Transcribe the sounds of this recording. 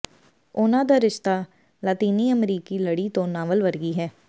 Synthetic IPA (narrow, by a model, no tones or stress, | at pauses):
ʊnãːd̪aːɾɪʃt̪aː | laːt̪iːniːəmɾiːkiːləɽiːt̪õːnãːʋəlʋəɾɡiːɦɛː